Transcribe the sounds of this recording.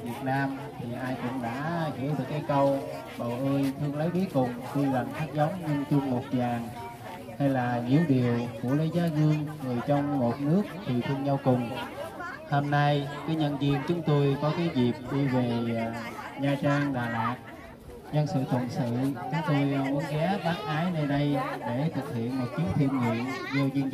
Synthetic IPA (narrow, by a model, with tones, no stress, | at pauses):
vi˨˩ət̚naː˧m | t̪ʰi˨˩ʔaː˧jkʊ̰˧˥ŋ͡mɗa̰ː˧˥hḭ˧˩˥əwɗɨ˨˩kːaː˨˦jkə˧w | ɓə˨˩wʔəː˧jt̪ʰɨ˧əŋlə˨˦jku˨˦jkʊ˨˩ŋ͡mt̪i˧la˨˩ŋt̪ʰaː˦˥k̚zə˨˦wŋ͡mɲɨ˧ŋt͡ɕɨ˧əŋmo˨˩t̚ɲaː˨˩n | ha˧jlaː˨˩ɲḭ˧˥əwɗi˨˩əwkṵ˧˩ələ˨˦jzaː˨˦ɣɨ˧əŋŋɨ˨˩əjt͡ɕɔ˧wŋ͡mmo˨˩t̚nɨ˦˥ək̚t̪ʰi˨˩t̪ʰɨ˧əŋɲa˧wkʊ˨˩ŋ͡m | ho˧mna˧jkaː˨˦jɲə̰˧˨nzi˧əŋt͡ɕʊ˨˦ŋ͡mt̪o˧jkɔ˨˦kaː˨˦jzi˨˩p̚ɗi˧ve˨˩˨ | ɲaː˨˩t͡ɕaː˧ŋɗaː˨˩laː˨˩t̚ | ɲə˧nsɨ̰˧˨t̪ʰə˨˩nsɨ̰˧˨t͡ɕʊ˨˦ŋ͡mt̪o˧jmu˨˦nɣɛ˨˦ɓaː˨˦˥n̚ʔaː˨˦jnə˧ɗə˧jɗe˧˩t̪ʰɨ˨˩k̚hḭ˧˨ənmo˨˩t̚t͡ɕi˨˦əw̚t̪ʰi˧ənhḭ˧˨ən | zo˧zɨ˧n